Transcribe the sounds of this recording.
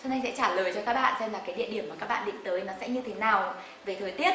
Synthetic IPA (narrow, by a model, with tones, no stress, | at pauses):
t͡ɕɔ˧na˧jŋsɛ̰˧˥t͡ɕaː˧˩ləː˨˩jt͡ɕɔ˧kaː˦˥k̚ɓa̰ː˧˨nsɛ˧mlaː˨˩kaː˨˦ɗḭ˧˨əɗi˧˩əmaː˨˩kaː˦˥k̚ɓ̰ːɗḭ˧˨ŋ̟t̪əː˨˦jnɔ˨˦sɛ̰˧˥ɲɨ˧t̪ʰe˨˦naː˨˩w | ve˨˩t̪ʰəː˨˩jt̪i˦˥ət̚